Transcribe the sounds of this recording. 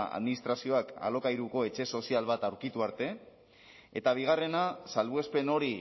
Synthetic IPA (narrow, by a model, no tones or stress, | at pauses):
a̰ðminist̪ɾasio̞aka̰lo̞kajɾuko̞e̞t͡ʃe̞so̞sialβat̪awɾkit̪uaɾt̪e̞ | et̪aβ̞iɣ̞are̞nasalβuespe̞no̞ɾi